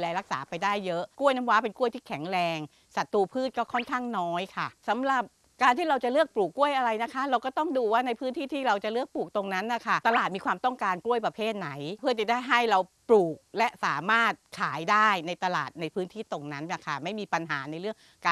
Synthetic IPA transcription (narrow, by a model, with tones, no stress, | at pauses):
lɛː˧lɾa˦˥k̚sa̰ː˩˦pa˧jdaː˥˩jːɤ˦˥ʔku˥˩əjna˧˥mwaː˦˥pe˧nku˥˩ət̪ʰiː˥˩kʰɛ˩˦ŋɾɛː˧ŋ | sa˨˩t̪ːuː˧pʰɯː˥˩t̪̚kɔː˥˩kʰɔ˥˩nkʰaː˥˩ŋnɔː˦˥jkʰa˥˩sa˩˦mɾa˨˩p̚ | kaː˧nt̪ʰiː˥˩ɾa˧wt͡ɕa˨˩lɯ˥˩ək̚pluː˨˩kːu˥˩əjʔa˧ɾa˧jna˦˥kʰa˦˥ɾa˧wkɔː˥˩t̪ɔ˥˩ŋduː˧waː˥˩na˧jpʰɯː˦˥nt̪ʰiː˥˩t̪ʰiː˥˩ɾa˧wt͡ɕa˨˩lɯ˥˩ək̚pluː˨˩k̚t̪o˧ŋna˦˥nːa˧˩kʰa˥˩t̪a˧laː˨˩t̪̚miː˧kʰwaː˧mt̪ɔ˥˩ŋkaː˧nklu˥˩əjpɾa˧pʰeː˥˩t̪̚na˩˦jpʰɯ˥˩ət͡ɕa˨˩daː˥˩jɦa˥˩jɾa˧wpluː˨˩k̚lɛ˦˥ʔsaː˩˦maː˥˩t̪̚kʰaː˩˦jdaː˥˩jna˧jt̪a˧la̰ː˨˩t̪̚na˧jpʰɯː˦˥nt̪ʰiː˥˩t̪o˧ŋna˦˥nːa˧˩kʰa˥˩ma˥˩jmiː˧pa˧nɦaː˩˦na˧jɾɯ˥˩əŋ | kaː˧